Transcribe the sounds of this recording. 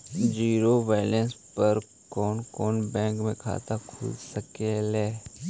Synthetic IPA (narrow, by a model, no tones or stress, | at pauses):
d͡ʒiːɾobɛːɪlənspəɾ | kɔːnkɔːnbɛ̃ːŋkmẽkʰa̰ːt̪akʰʊ̰lsəkelɛː